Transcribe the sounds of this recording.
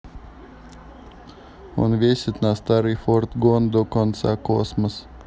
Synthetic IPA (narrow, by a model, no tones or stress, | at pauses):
ṵnvʲiɛsʲit̪nast̪aɾifɔɾt̪ɡund̪ukɔnt̪sa̰kuɔsmas